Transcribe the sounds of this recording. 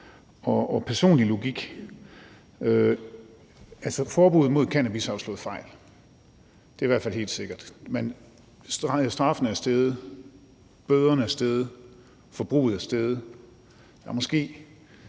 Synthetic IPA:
ɒɒpʰæɐso̝̰ːnlilo̝ɡ̥iɡ̥ | ø | ælsəfɒːb̥uːð̩ˠmo̝ð̞̰ˠkʰænæb̥isɑ̈ʊslɔ̽ːð̩ˠfɑ̈ɪ̰l | d̥e̝ɐiʋæɐdfælhe̝̰ːld̥se̝ɡ̥ɐd̥men | ssd̥ʁɑ̈fənəæɐsd̥eð̞ˠ | b̥øðˠɐnəæɐsd̥eð̞ˠ | fɒ̽b̥ʁṵːð̩ˠæɐsd̥eð̞ˠ | jɑmɒ̽sɡ̥e̝̰ː

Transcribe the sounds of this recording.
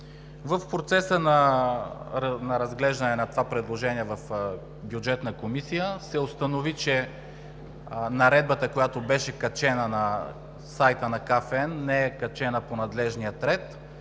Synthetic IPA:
vəfpɾot̪sɛsənɐ | nɐɾɐzɡlɛʒd̪ɐnɛnɐt̪ovapɾɛd̪lˠoʒɛniɛvɐf | bjud͡ʒɛt̪nəkomisijəsɛost̪ɐnovit͡ʃɛ | nɐɾɛd̪̚bət̪əkojat̪obɛʃɛkɐt͡ʃɛnənɐ | sajt̪ənɐkafɛɛnːɛɛkɐt͡ʃɛnəponɐd̪lɛʒnijət̪ɾɛt̪

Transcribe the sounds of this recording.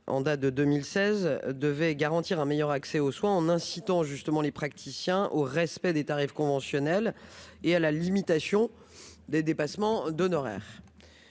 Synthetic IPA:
ʔɑ̰̃d̪at̪̚d̪əd̪ømilsɛzd̪əvɛɡaʁɑ̃t̪iʁɛ̃mejœʁaksɛoswɛ̃ɑ̃nɛ̃sit̪ɑ̃ʒyst̪əmɑ̃lepχak̚t̪ʰisjɛ̃ʔoʁɛspɛd̪et̪aʁifkɔ̃vɑ̃sjɔnɛlealalimit̪asjɔ̃ | d̪ed̪epasmɑ̃d̪ɔnɔʁɛ̰ːʁ

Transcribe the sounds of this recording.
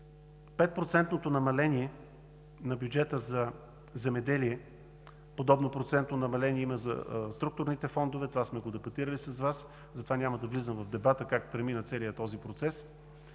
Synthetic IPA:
pɛt̪̚pɾot̪sɛnt̪not̪onɐmɐlɛniɛ | nɐbʲjud͡ʒɛt̪əzɐ | zɛmɛd̪ɛliɛ | pod̪ɔbnopɾot̪sɛnt̪nonɐmɐlɛniɛiməzə̰st̪ɾuk̚t̪ʊɾnit̪ɛfɔnd̪ovɛt̪ovasmɛɡod̪ɛpɐt̪iɾəlisɐsvas | zɐt̪ovanʲamɐd̪ɐvlizəmvɐvd̪ɛbat̪əkakpɾɛminət̪sɛlijət̪ɔzipɾot̪sɛs

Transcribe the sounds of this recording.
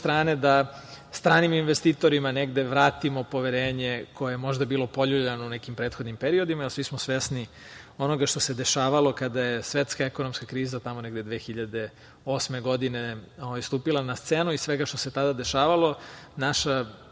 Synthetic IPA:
st̪ɾaːne̞d̪a | st̪ɾaːniminʋest̪iːt̪o̞ɾimaneɡd̪e̞ʋɾaːt̪imo̞po̞ʋeɾeːɲe̞kʰojejemo̞ʒd̪abiːlˠo̞po̞ʎubʎanounekimpɾeːt̪xo̞d̪nimpeɾio̞d̪imaelsʋismosʋesni | o̞no̞ɡaʃt̪o̞sed̪eʃaːʋalo̞kad̪ajesʋet̪skaeko̞nomskakɾiːzat̪amoneɡd̪ed̪ʋeːxiʎad̪e̞ | o̞ːsmeɡo̞d̪ine̞o̞ʋajst̪uːpilˠanast̪senuisʋeɡaʃt̪o̞se̞t̪ad̪ad̪eʃaːʋalˠo̞naʃa

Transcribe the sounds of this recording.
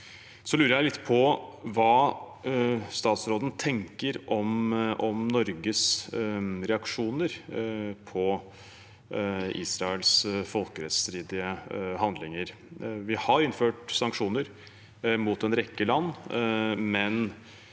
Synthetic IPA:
sɔlʉːɾəjæɪlɪt̪ːpʰɔʋɑː | st̪ɑːt̪sɾoːd̪n̩t̪ʰɛŋkəɾʔɔmɔmnɔɾɡəs | ɾɛɑkʂuːnəɾpʰɔ | ḭːsɾɑɛlsfɔlkəɾɛt̪st̪ɾiːd̪ɪəɦɑnd̪lɪŋəɾ | ʋɪhɑɾɪnːføːʈsɑŋkʂuːnəɾ | mut̪ɛnɾɛkːəlɑnː | mɛn

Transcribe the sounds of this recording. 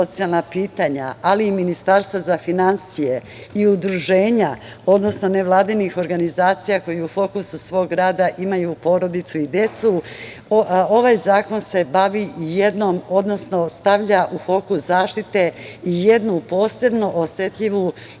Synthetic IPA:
o̞t̪sialˠnapiːt̪aɲa̰aliːminist̪aɾst̪ʋazafinansije̞ | iud̪ɾuʒe̞ːɲa | o̞d̪no̞snone̞ʋlˠaːd̪inixo̞ɾɡanizaːt̪sijako̞jeufo̞kususʋo̞ːɡɡɾaːd̪aʔimajupo̞ɾo̞d̪it̪suid̪je̞t̪su | o̞ʋajzaːko̞nse̞baʋiije̞d̪nomo̞d̪no̞sno̞st̪aʋʎaʔufo̞kuszaːʃt̪it̪e̞ije̞d̪nupo̞ːse̞bnoʔosje̞t̪ʎiʋu

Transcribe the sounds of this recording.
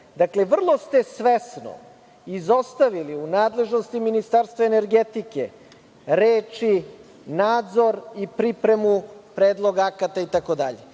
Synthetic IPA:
d̪akle̞ʋr̩lˠost̪e̞sʋesno̰ | izo̞st̪aʋiliunaːd̪le̞ʒno̞st̪iminist̪aɾst̪vaene̞ɾɡet̪ike̞̰ | ɾeːt͡ʃi | naːd̪zo̞ɾipɾipɾe̞mupɾeːd̪lˠoɡaakat̪ait̪ako̞d̪aʎḛ

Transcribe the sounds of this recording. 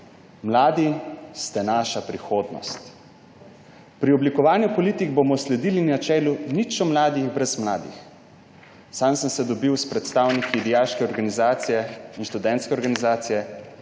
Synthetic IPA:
mlaːd̪ist̪ɛnaːʃapɾixoːd̪nɔ̰st̪ | pɾiɔblikɔʋaːnjupɔliːt̪iɡbomɔslɛd̪ilinat͡ʃɛːlunit͡ʃɔmlaːd̪iɣbɾɛzmla̰ːd̪ḭx | samsəmsɛd̪ɔbiwspɾɛt̪st̪aːwnikid̪ɛjaːlʃkɛɔɾɡanizaːt̪sijɛinʃt̪ud̪ɛnt̪skɛɔɾɡanizaːt̪sijɛ

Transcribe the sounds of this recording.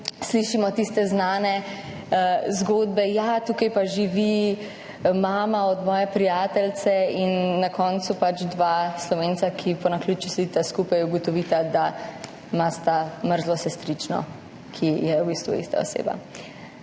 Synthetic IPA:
sliʃimɔt̪ist̪ɛznaːnɛ | zɡoːd̪bɛjat̪ukajpaʒiʋi | maːmaɔd̪mɔːjɛpɾijaːt̪ɛlt̪sɛinːakɔːnt̪supat͡ʃd̪ʋaslɔʋeːnt̪sakʰipɔnaklʲut͡ʃuslit̪askuːpajuɡɔt̪ɔʋiːt̪ad̪a | mast̪aməɾzlɔsɛst̪ɾit͡ʃnɔ̰ | kʰijɛubist̪ʋṵḭst̪a̰o̰sḛba̰

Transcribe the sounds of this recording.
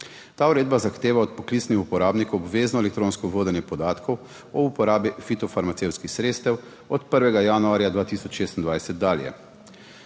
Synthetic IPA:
t̪aːuɾeːd̪bazaxt̪eːʋaɔt̪̚pɔklit̪snixupɔɾaːbnikɔwɔbʋeːznɔɛlɛkt̪ɾoːnskɔʋoːd̪ɛnjɛpɔd̪aːt̪kʰɔw | ɔupɔɾaːbifit̪ɔfaɾmat̪sewt̪skixsɾeːt̪st̪ɛw | ɔt̪pəɾʋɛɡajaːnuaːɾjad̪ʋaːt̪isɔt͡ʃʃeːst̪ind̪ʋajsɛt̪̚d̪aːljɛ̰

